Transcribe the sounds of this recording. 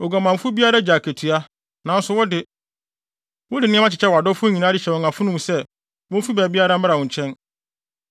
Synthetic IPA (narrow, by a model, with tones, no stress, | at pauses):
ɔ˨ɡa˨mã˨m˨fʊ˦bi˦a˦ɾa˦d͡ʑaː˨kʰæ˨tʰu˨a˦ | nã˨n˦sʊ˨wɔ˦dɪ˦ | wɔ˦dɪ˨nɪ̃˦mã˦t͡ɕʰɪ˨t͡ɕʰɛ˦wa˨dɔ˦fʊ˦ɲĩ˨nãː˦dɪ˦ɕɛ˨wɔ̃˨ŋã˨fʊ˦nʊ̃˦m˨sɛ˦ | wɔ̃˦fi˦bɛː˨bi˦a˦ɾa˦m̩˦a˦ɾa˨wɔ̃˨ɲ˨t͡ɕʰɛ̃˦n